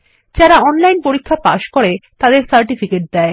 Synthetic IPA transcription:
d͡ʑaɾaɔnlajnpoɾikʰːapa̰ʃkoɾet̪ad̪eɾsaɾʈifikeʈ̚d̪ɛe

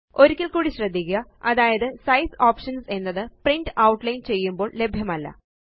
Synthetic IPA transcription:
o̞ɾukʲːilkuːɽiɕrɐd̪ːikʲːɐɐðaːjɐðɨsɐjsaːpʂɐnse̞nːɐðɨpriɳɖɨʔɐwʈlɐjnt͡ɕe̞jːumbo̞ːɭle̞bʱjɐmɐlːɐ̰

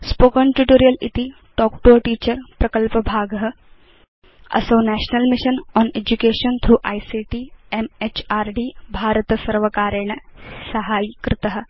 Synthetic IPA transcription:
spoːkənʈuʈoːɾijəlit̪i | ʈɔːkʈoːʈiːt͡ɕəɾpɾɐkəlpəbʱaːɡɦə | ɐ̰sonæɕnəlmiʃənɔned͡ʑukeːʃənt̪ʰɾuːʔaːjsiʈiemet͡ʃaːɾɖiːbʱaːɾət̪əsɐɾʋəkaːɾeɳəsɐɦaːjkɾɪt̪əɦə

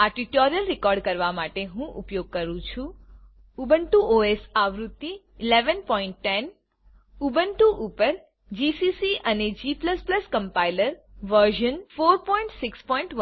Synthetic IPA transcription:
aʈiʈoɾijəlɾɪkɔɾɖ̚kəɾʋamaʈeɦũʔṵpjoɡ̚kəɾũt͡ʃʰũ | ubəɳʈuʔoesaʋɾut̪ːiː | leʋənpɔiɳʈːɛn | ubəɳʈuʔupəɾ | d͡ʒisisiʔəned͡ʒipləspləskəmpailəɾʋəɾʒənfoɾpɔĩɳʈsɪkspɔiɳʈʋə

